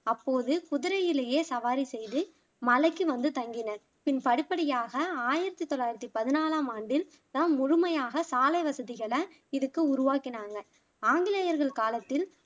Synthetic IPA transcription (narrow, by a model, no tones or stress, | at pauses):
ɐpːoːðɯkʊðɪɾɐjɪleːjeːsɐʋaːɾisɛjðɯ | mɐlɐɪkːɯʋɐnd̪ɯt̪ɐŋɡɪnɐ | pɪnpɐɽɪpːɐɽɪjaːɣɐaːjɪɾɐt̪ːit̪ːɔlːaːjɪɾɐt̪ːipɐðɪnaːlaːmaːɳɖɪl | nãːnmʊɻʊmɐjaːɣɐsaːlɐɪʋɐsɐðɪɣɐɭɐ | ɪðɯkːɯʊɾʊʋaːkːɪnaːŋɡɐ | aːŋɡɪlɐjɐɾɣɐɭkaːlɐt̪ːɪl